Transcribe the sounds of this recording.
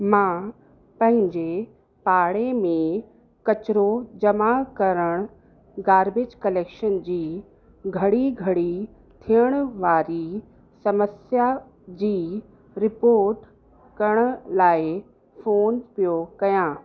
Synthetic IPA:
mãː | pɐ̃ɦɪ̃ɲd͡ʑe | paːɽemẽ | kɐt͡ɕɪɾod͡ʑɐmakɐɾəɽ̃ʊ | ɡaːɾbed͡ʑkɐleːkʃənd͡ʑiː | ɡʱɐɽiɡʱɐɽi | t̪ʰijəɽ̃ʊʋaːɾi | sɐməsja | d͡ʑiː | ɾɪpoːɾʈ | kɐɾəɽ̃ʊ̆laːɪ | foːnpijokɐjãː

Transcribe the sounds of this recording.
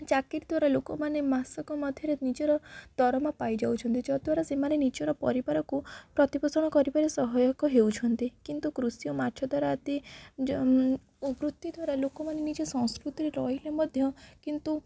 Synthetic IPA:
t͡ʃakiɾd̪ʱwaɾalokɔmanemasɔkɔmɔd̪ʱjɔɾenid͡ʒeɾɔd̪̥ɔɾɔmapajd͡ʒawt͡ʃʰɔnt̪id͡ʒɔd̪waɾasemanenid͡ʒɔɾɔpɔ̰ɾibaɾɔkupɾɔt̪ibɔsɔɽ̃ɔkɔɾibaɾesɔɦɔjɔkɔɦewt͡ʃʰɔnt̪ikint̪ukɾusijɔmaɾʈʰɔd̪aɾaːt̪i | ubɾut̪ːid̪waɾalokɔmanenid͡ʒesɔ̃ŋ̃skɾut̪iɾeɾɔɦilemɔd̪ʱjɔkint̪u

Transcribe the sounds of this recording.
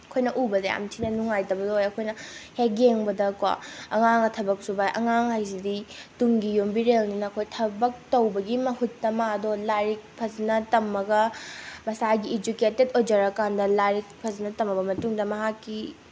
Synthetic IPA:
ɐkʰojnɐʔubɐdeja̰mtʰinɐnuŋajtɐbɐdoojɐkʰojnɐheɡeŋbɐdɐkwa̰ɐŋaŋɐtʰɐbɐk̚subajʔɐŋaŋɦajsiditumɡijombiɾelninɐːkʰojtʰɐbɐk̚tɐwbɐɡimɐhutːɐmadolaɾik̚pʰɐznɐtɐmːɐɡɐmɐsaɡied͡ʒuketedod͡ʒɐɾɐkandɐlaɾik̚pʰɐznɐtɐmɐbɐmɐtuŋdɐmɐɦakːi

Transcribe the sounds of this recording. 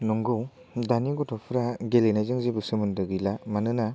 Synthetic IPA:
nɔŋɡɯw | daniɡɔtʰɔpʰɯɾaɡelenajzɯŋzibɯsɯmɯndɯɡilamanɯna

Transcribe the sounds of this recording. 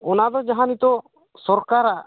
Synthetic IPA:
ɔnad̪ɔd͡ʒaɦanit̪ɔ | sɔɾkaɾaʔ

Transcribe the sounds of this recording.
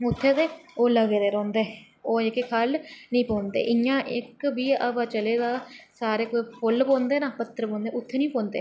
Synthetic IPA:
ʊt̪ʰːeːd̪eːoːləɡeːd̪eːɾɔ̃ːnd̪eː | oːɪkekʰalnəĩːpõːnd̪ḛːʔɪjãːʔɪkbiːəʋaːt͡ʃəleːd̪aːsaːɾeːkoːipʰʊlpɔ̃ːnd̪eːnãːpət̪ːəɾpɔ̃ːnd̪eːʊt̪ʰːeːnĩːpɔ̃ːnd̪ḛː

